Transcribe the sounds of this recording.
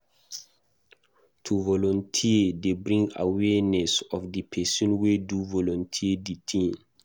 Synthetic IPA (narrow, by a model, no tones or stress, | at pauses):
tʰuvɔlɔ̃ntʰiedebɹĩŋɡa̰wɛnɛsɔfdipʰɛsɔ̃nweduvɔlɔ̃ntʰieditʰĩŋ